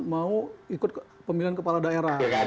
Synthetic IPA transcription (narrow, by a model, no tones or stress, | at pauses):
mauikʊt̪̚pəmiliankəpaladaeɾaha